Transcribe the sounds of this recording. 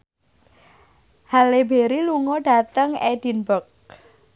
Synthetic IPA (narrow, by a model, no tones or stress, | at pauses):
halebeɾiluŋɔɖa̤t̪əŋed̥inbɔk̚